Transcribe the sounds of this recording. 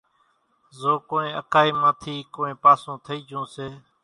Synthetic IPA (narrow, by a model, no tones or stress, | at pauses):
zoːkoːnẽːʔəkaːiːmãːt̪ʰiːkoːẽːpaːsõːt̪ʰəiːd͡ʒʱõːseː